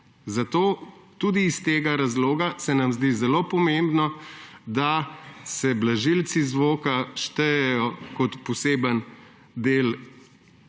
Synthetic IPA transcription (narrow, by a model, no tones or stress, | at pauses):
zat̪oːt̪uːd̪iːst̪eːɡaɾazloːɡasɛnamzd̪izɛloːpɔmẽmbnɔd̪asɛblaʒilsizʋoːkaʃt̪ɛjɛjɔkɔt̪pɔseːbən | d̪eːl